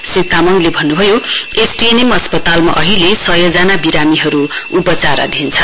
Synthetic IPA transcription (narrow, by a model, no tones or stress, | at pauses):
srit̪amʌŋlebʱʌnːubʱʌjoesʈenimʌspʌt̪alma̰ʔʌɦilesʌjʌd͡zanabiɾamiɦʌɾuupʌt͡saɾʌ̰d̪ʱint͡sʰʌ